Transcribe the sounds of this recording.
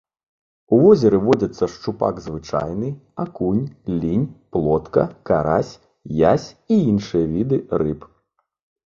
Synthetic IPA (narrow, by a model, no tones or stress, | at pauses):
uvɔzʲɛɾɨvɔd͡zʲɐt̪sːɐʂt͡ʂupa̰ɡzvɨt͡ʂa̰jnɨakunʲlʲinʲplˠɔt̪kɐkaɾasʲ | jasʲiinʂɨjɐvʲid̪ɨrɨp